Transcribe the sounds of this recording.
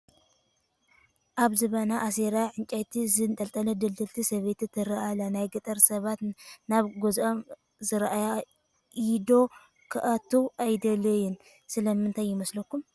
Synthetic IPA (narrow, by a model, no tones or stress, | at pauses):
ʔaβzɨβɐnaʔːseɾaʕɨnt͡ʃʼajt̪ʰizɨnt̪ʼɐlt̪ʼɐnɐd̪ɨld̪ɨlt̪ʰisɐβet̪it̪ʰɨɾɐalanajɡɨt̪ʼɐɾsɐβat̪naβɡuzom | zɨɾʔaja | ʔɪd̪o̞ | kʰɨʔɐt̪ʰːuʔajd̪ɐlɐjɪn | sɨlɐmɨnt̪ʰajːɪmɐslɐkːum